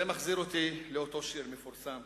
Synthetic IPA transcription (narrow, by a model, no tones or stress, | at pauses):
emaχziʁot̪ileot̪o̞ʃiʁmefuʁsam